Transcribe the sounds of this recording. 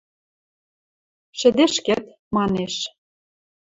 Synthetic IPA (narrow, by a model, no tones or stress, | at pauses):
ʃɘ̆d̪eʃkĕt̪ | mɑneʃ